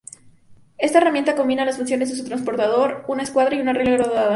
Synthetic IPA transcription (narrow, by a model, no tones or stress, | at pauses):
e̞st̪aeramje̞nt̪ako̞mbinalasfuns̬jo̞nezðe̞s̬ut̪ɾans̬po̞ɾt̪að̞o̞ɾunaeskwaðɾaiunareleɾoðeðaða